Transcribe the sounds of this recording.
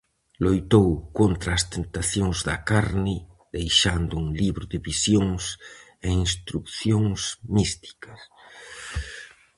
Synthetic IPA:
lojt̪owkont̪ɾɐːst̪ent̪aθjoŋzðɐkaɾnɪ | ðejʃand̪ʊuŋliβɾʊðɪβisjoŋs | einst̪ɾukθjoŋsmist̪i̥kɐs

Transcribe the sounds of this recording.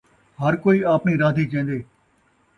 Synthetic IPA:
ɦəɾkoːiːaːpniːɾaːd̪ʱiːt͡ʃẽːnd̪eː

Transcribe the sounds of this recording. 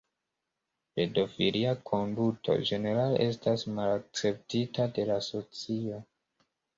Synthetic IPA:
pe̞do̞filiakʰo̞ndutʰo̞̰d͡ʒe̞ne̞ɾalʔe̞stasmalak̚t͡se̞p̚titade̞laso̞t͡sio̞

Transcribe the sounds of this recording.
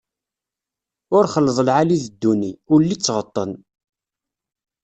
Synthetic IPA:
ʊɾχəlːəðˤəlʕaliðəd̪ːuniʊɾlːit͡sːʁət̪ˤːən

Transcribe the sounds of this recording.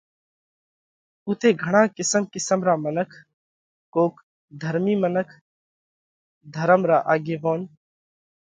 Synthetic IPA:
ʊt̪ʰeːɡʱɐɽ̃ãːkɪsəmkɪsəmɾaːmənəkʰ | koːk | d̪ʱəɾmiːmənəkʰ | d̪ʱəɾəmɾaːʔaːɡeʋoːn

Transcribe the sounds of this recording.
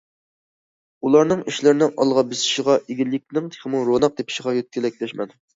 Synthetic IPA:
ulˠɑɾnɨŋiʃlɪɾɪnɪŋʔɑ̰lˠʁɑbɪsɪ̥ʃɪʁɑʔeɡʲilːɪk̚ʲnɪŋt̪ʰe̥χmuɾonɑq̚d̪epʰɪ̥ʃɪʁɑjøt̪̚kʲylɛk̚ʲlɛʃmɛn

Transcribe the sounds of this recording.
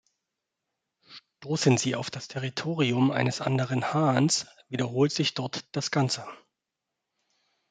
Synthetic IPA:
ʃtoːsənziːaʊfd̥astʰɛʁitʰoːʁiʊmʔa̰ɪnəsʔa̰ndəʁ̞ənhaːns | vidɐɦoːltz̥ɪçd̥ɔɐtd̥asɡ̥ant͡sə

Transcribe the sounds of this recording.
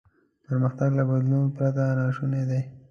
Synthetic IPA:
pəɾməxt̪aɡlabad̪lunopɾat̪anaʃuned̪e

